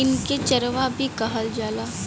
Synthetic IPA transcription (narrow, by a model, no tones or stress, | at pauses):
ɪnket͡ʃɐɾʋabʱikɐɦəld͡ʒaːlaː